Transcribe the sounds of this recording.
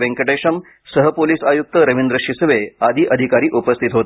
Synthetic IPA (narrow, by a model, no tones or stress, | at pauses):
ʋẽŋkəʈeʂəm | səɦəpoliːsajuk̚t̪əɾəʋind̪ɾəʃʂisʋead̪ʱiːʔəd̪ʱikaɾiːʔupəst̪ʰit̪ɦot̪